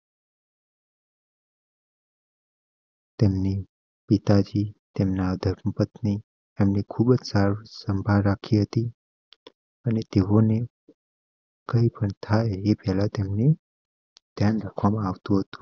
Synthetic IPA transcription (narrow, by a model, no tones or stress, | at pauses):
t̪emne | pit̪ad͡ʒit̪emnad̪ʱəɾməpət̪ni | emnekʰubəd͡ʒsaɾsəmbʱalɾakʰiɦət̪i | ənet̪eone | kəipəɳt̪ʰaeepɛɦlat̪emne | d̪ʱjanɾakʰʋamãaʋt̪ũɦət̪ũ̥